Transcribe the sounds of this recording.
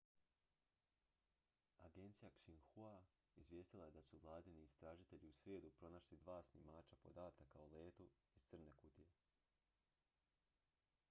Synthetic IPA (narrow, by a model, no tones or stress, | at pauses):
aɡe̞nt̪sijakʃiŋxua | izvje̞ːst̪ilˠaje̞d̪asuvlˠaːd̪iniːst̪ɾaːʒit̪e̞ʎiusʋjed̪upɾo̞naʃlid̪ʋaːsnimaːt͡ʃapo̞d̪aːt̪akaole̞ːt̪o | iz̥t̪sɨr̩ne̞kut̪ije